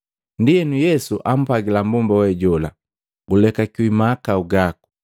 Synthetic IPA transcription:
ndiɛnujɛsuʔam̩paɡilambumbawɛɟɔla̰ | ɡulɛkakiwimakauɡaku̥

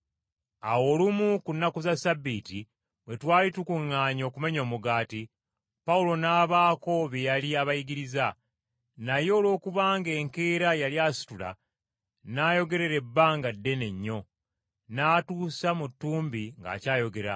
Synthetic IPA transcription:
awo̞ːlumukunːakuzasabːiːti | βwe̞twaːlitukuŋːaːɲo̞ːkume̞ɲo̞ːmuɡaːti | paulo̞naːβaːko̞βejaliaβajiɡiɾiza | najo̞ːlo̞ːkuβaːŋɡe̞ːŋke̞ːɾajaliasi̥tula̰ | naːjo̞ɡe̞ɾe̞ɾe̞bːaŋɡadːe̞ne̞ɲːo̞ | naːtuːsamutːuːmbiŋɡa̰ːcaːjo̞ɡe̞ɾa̰

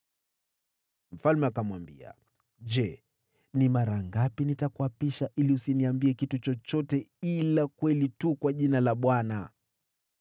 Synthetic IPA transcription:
m̩falmɛakamwambḭa̰ | ʄɛ | nimaɾaŋɡapinitakuapiʃaʔiliusiniambiɛkitut͡ʃɔt͡ʃɔtɛilakwɛlitukwaʄinalaɓwana̰

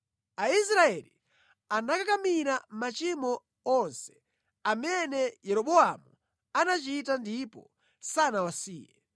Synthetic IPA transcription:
ais̬ɾaɛlḭ | anakakamiɾamat͡ʃimɔ | ɔnsɛ̥ | amɛnɛjɛɾɔɓɔamu | anat͡ʃitandipɔ̰ | sanawasiːjɛ

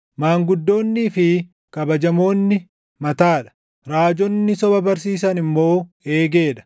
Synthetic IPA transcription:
maːŋɡʊd̪ːo̞ːnːiːfɪ | kɐbɐd͡ʒɐmo̞ːnːɪ | mɐt̪aːᶑɐ̥ | ɾaːd͡ʒɔnːɪsɔbɐbɐɾs̬iːs̬ɐnɪmːo̞ː | e̞ːɡe̞ːᶑɐ̥

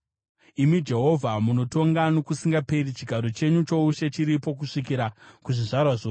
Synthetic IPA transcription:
imid͡ʒe̞ɦo̞vʱamuno̞to̞ŋɡano̞kusiŋɡape̞rit͡ʃiɡʱaɾo̞t͡ʃe̞ɲut͡ʃo̞uʃe̞t͡ʃiɾipo̞k̬uʂikiɾakuʐiʐarwaʐoː

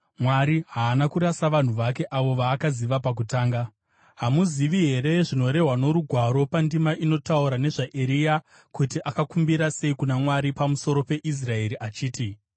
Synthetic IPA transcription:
mwaɾiɦaːnakuɾasaʋan̤uʋake̞ʔaʋo̞ʋaːkaziʋapak̬utaːŋɡa | ɦamuziʋiɦe̞ɾe̞ʐino̞ɾe̞ɦwano̞ɾuɡʱwaɾo̞pandimaʔino̞tauɾane̞ʐaʔeɾija | kutiʔakakumbiɾase̞ikunamwaɾipamuso̞ɾo̞pe̞ʔis̬rae̞ɾiʔat͡ʃiːti

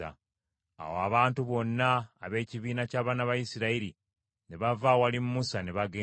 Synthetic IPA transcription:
a̰ | a̰woaβaːntuβo̞nːaːβe̞ːciβiːnacaːβaːnaβajisiɾaiɾi | ne̞βavawalimːusane̞βaɡeː

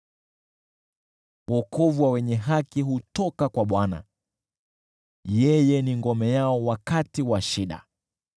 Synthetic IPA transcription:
wɔkʰɔvuwawɛɲɛɦakiɦutɔkakwaɓwana̰ | jɛjɛniŋɡɔmɛjaɔwakatiwaʃiɗa̰

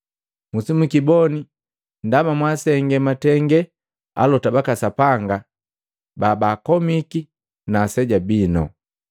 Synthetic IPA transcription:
musimukibɔni | ndamamwasɛŋɡɛmatɛŋɡɛ | a̰lɔtabakasapaŋɡa | babaːkɔmiki | naːsɛɟabinɔ̰

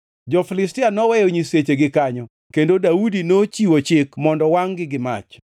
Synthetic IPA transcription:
d͡ʒɔfilɪstɪanɔwɛjoɲiset͡ʃeɡɪkaɲɔ | kendodaudinot͡ʃiwot͡ʃɪkmɔndɔwaŋɡɪɡɪma̰t͡ʃ

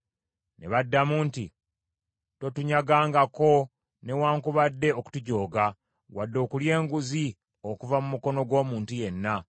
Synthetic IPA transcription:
ne̞̰βadːamuːntḭ | to̞tuɲaɡaːŋɡako̞ | ne̞waːŋkuβadːe̞o̞ku̥tuɟo̞ːɡa | wadːo̞ːkulje̞ːŋɡuzi | o̞kuvamumuko̞no̞ɡwo̞ːmuːntuje̞nːa

